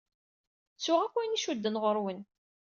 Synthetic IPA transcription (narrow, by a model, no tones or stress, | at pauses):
t͡sːʊʁækʷːæniʃud̪ːənʁəɾwən